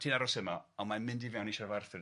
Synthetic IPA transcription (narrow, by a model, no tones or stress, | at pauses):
tʰiːnaɾɔsəmaɔmamɪndiveawniʃɔrvarθɪ